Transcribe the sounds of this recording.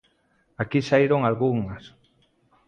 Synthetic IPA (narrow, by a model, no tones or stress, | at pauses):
akisaiɾoŋalɣuŋas